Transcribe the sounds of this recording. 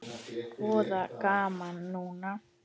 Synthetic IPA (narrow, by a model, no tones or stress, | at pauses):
poðakamãnũnã